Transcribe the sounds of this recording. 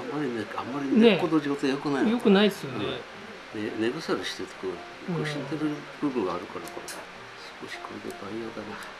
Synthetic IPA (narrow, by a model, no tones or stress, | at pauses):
amːaɾʲineamːaɾʲinnekːod̪oʑiɡot̪ojokɯnaijo̞kɯ̟naid̪esɨjone | nene̞ɡɯsaɾɯɕi̥t̪et̪ɨ̥kona | koɕit̪eɾɯ̟b̥ɯ̟bɯ̃ŋɡaːɾɯ̟kaɾakaɾ | sɨ̥koɕi̥kʰo̞ɾed̪ed̪aijoːd̪ana